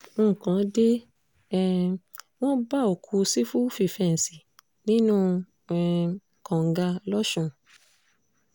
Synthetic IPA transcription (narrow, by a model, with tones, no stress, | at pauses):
ŋ̩˦˨kã˨˦de˦ | ɛ˧ | w̃ɔ̃˦ba˦o˨kʰu˧si˦fu˦fi˦˨fɛ˧˨n̩˨si˨ | nĩ˦nũ˦ | ɛ˨ | kã˨ŋ˨ɡa˧lɔ˦ʃũ˧˨